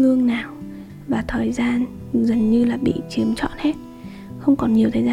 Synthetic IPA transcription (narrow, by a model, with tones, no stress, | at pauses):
ɨ˧əŋnaː˨˩w | vaː˨˩t̪ʰəː˨˩jzaː˧n | zə˨˩ŋɲɨ˧laː˨˩ɓḭ˧˨t͡ɕi˨˦əmt͡ɕɔ̰˧˨nhe˦˥t̚ | xə˧wŋ͡mkɔ˨˩nɲi˨˩əwt̪ʰəː˨˩za˧